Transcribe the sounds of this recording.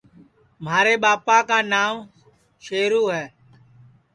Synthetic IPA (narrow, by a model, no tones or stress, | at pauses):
m̤aːɾeːɓaːpaːkaːnaːm | ʃeːɾuːɦɛː